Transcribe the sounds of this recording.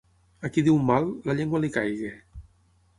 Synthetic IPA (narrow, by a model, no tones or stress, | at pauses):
akiðiwmalːaʎeŋɡwalikajɣe